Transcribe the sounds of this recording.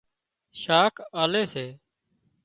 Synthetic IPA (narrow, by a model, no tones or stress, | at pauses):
ʃaːkʰaːleːseː